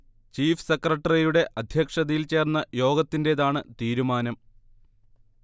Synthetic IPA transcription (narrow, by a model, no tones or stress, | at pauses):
t͡ɕiːfsekrɐʈːɐrijuɽe̞ʔɐd̪ʱjɐkʂɐðɐjilt͡ɕe̞ːrnːɐjo̞ːɡɐt̪ːinde̞ːðaːɳɨt̪iːɾumaːnɐm